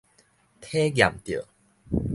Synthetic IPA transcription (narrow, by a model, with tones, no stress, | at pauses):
t̪ʰe˦ɡja̰˨˩mt̪jə̰˨˩